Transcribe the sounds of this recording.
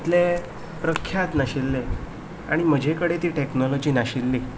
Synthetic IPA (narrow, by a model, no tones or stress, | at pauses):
t̪le | pɾəkʰjat̪naɕilːe | a̰ɽ̃im̤əd͡ʑʱekəɽet̪iːʈeknɔlɔd͡ʑinaɕilːi